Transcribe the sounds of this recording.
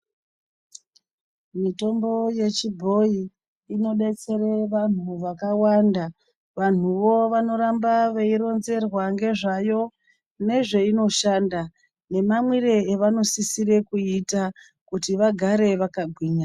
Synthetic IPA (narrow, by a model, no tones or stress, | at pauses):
mito̞mbo̞je̞t͡ʃibʱo̞iː | no̞ɗe̞t͡se̞ɾeʋan̤uʋakawanda | ʋan̤uʋo̞ʋano̞ɾambaʋeiɾo̞nze̞rwaŋɡe̞ʐajo̞ | ne̞ʐe̞ino̞ʃaːnda | ne̞mamwiɾeːʋano̞sisire̞kuita | kutiʋaɡʱaɾe̞ʋakaɡʱwiːɲa